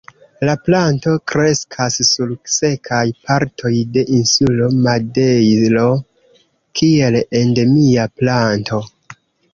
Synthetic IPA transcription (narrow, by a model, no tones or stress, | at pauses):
laplanto̞kɾe̞skʰasːulse̞kʰajpaɾtʰo̞jde̞ʔinsulo̞madejlo̞ | kʰie̞lende̞miaplantʰo̞